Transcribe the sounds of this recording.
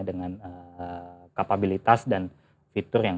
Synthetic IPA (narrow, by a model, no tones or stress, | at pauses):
dəŋanə | kapabilit̪asdan | fit̪ʊrjaŋ